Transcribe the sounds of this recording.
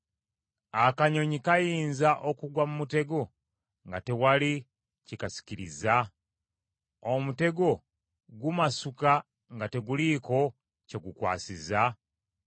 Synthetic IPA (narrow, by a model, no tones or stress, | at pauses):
akaɲo̞ɲikajiːnzaʔokuɡwamumute̞ɡo̞ | ŋɡate̞wali | cikasi̥ciɾḭza | omute̞ɡo̞ | ɡumasuka | ŋɡate̞ɡuliko̞ | ce̞ɡukwa̰ːsiza